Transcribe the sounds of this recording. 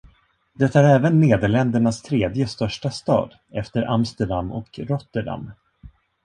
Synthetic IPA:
d̪ɛt̪ːaæɾɛːvənːeːd̪əɭɛnd̪əɳast̪ʰɾeːd̪jəst̪œʂʈast̪ɑ̰ːd̪ | ɛft̪əɾʔa̰mst̪əɖamːɔ̰kɾɔt̪ːəɖa̰mː

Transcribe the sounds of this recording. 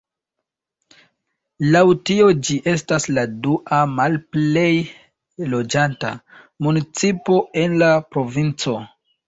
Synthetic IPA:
lawtio̞d͡ʒiʔe̞stasladuʔamalple̞j | lo̞d͡ʒanta̰ | munit͡sipo̞e̞nlapɾo̞vint͡so̞

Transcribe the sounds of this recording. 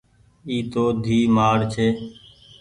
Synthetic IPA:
iːt̪oːd̪ʱiːmaːɾt͡ʃʰeː

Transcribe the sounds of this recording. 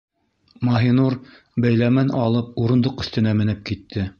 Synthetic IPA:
mɑɦinuɾ | bæjlæmænɑlˠɤp̚uɾɤ̆nd̪oqɵ̆θt̪ɘ̆næmɘ̆nɘp̚kit̪ʰːɘ

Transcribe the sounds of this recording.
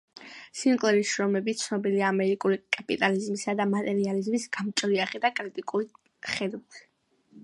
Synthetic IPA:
siŋqʼlɛɾiʃɾɔmɛbitt̪sʰnɔbiliaːmɛɾikʼulikʼapʼit̪ʼalizmisad̪amat̪ʼɛɾializmisɡ̥amt͡ʃʼɔɾiaχɛd̪akʼɾit̪ʼikʼuli | χɛd̪ut̪ʰi̥

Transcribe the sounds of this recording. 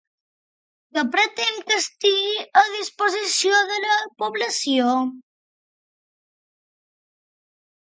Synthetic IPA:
kəpɾət̪ɛŋkəst̪iɣiəð̞ispozisioðələpuβləsjo

